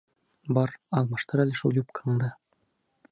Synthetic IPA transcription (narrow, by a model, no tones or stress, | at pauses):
bɑɾɑlˠmɑʃt̪ɤɾælɘʃulʲˠjʲup̚kʰɤ̥ɴd̪ɤ